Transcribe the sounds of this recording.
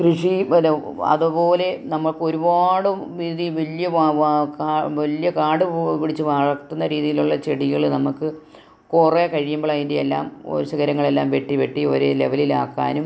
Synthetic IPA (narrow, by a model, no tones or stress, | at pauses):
krɨʂi | ɐ̰ðupo̞ːle̞nɐmːɐɭko̞ɾubaːɽumʋiðiʋɐljɐʋakaʋɐljɐkaːɽɨpiɽit͡ɕːɨʋɐɻɐkt̪ːunːɐɾiːðijiluɭːɐt͡ɕeɽiɣɐɭnɐmukːɨ | kurekɐɻijumboɭaːjindeelːa̰ːmo̰ɾuɕɐɣɐɾɐŋːɐɭe̞lːa̰ːmʋe̞ʈːiʋeʈːio̰ɾele̞̰ʋɐlila̰ːkːa̰ːnum